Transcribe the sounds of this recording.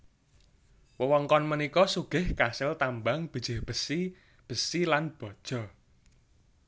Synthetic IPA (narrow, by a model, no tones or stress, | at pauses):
wəwɔŋkɔnmənikɔsuɡ̥ɪhkasɪlt̪ambaŋb̥i̤dd͡ʒ̥ɪ̤hb̥ə̤si | b̥ə̤silanb̥ɔ̤d̥ʒ̥ɔ̤